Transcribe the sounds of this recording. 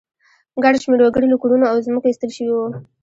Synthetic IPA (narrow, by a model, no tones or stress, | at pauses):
ɡaɽʃmeɾwaɡəɽiləkuɽunoawzməkoist̪əlʃəwiwu